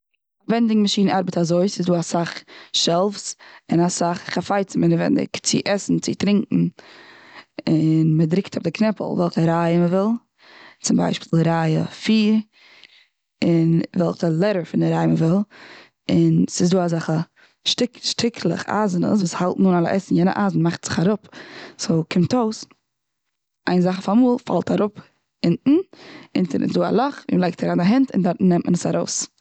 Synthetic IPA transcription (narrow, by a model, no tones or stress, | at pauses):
vɛndɪŋmaʃiːnaɾbətazoɪsɪzduːasaχʃɛlˠfsɪnasaχχafaɪt͡sɪmɪnəvɛ̰ndɪ̰kt͡sɪ̰ʔɛsn̩t͡sɪtɾɪŋkŋ̩ | ɪnmədɾɪktʰʊfdɪknɛpə̰lˠvɛlˠχəɾaɪəməvɪlˠ | t͡sɪmba̰ɪʃpi̥ːlˠɾajə̰fiːɾ | ɪnvɛlˠχəlˠɛɾəɾfɪndɪɾaɪəməvɪlˠ | ɪnsɪzduːazaχə | ʃtɪkʃtʰɪkʰlˠə̰χa̰zənə̰s̬vuːshalˠtnuːnalˠə̰ʔɛsn̩jɛnə̰ʔazn̩maχtz̥ɪ̥χaɾʊpsoʊkʰɪmtoʊs | ʔaɪnzaχəfamuːlˠfa̰lˠtʰaɾʊp | ɪntn̩ɪ̰ntəɾɪ̰sduːa̰lˠɔχvḭːməlaɪk̚tʰaɾaːnaɦɛntɪ̰ndaɾtnɛmʔənəsaɾoʊs